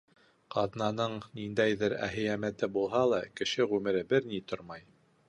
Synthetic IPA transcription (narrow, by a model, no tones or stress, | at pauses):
qɑðnɑnɤɴnind̪æjðɘɾæ̰ɦɘ̆jæmæt̪ɘbulˠɦɑlˠɑkɘ̆ʃɘʁʉmɘ̆ɾɘbɘɾnit̪oɾmɑj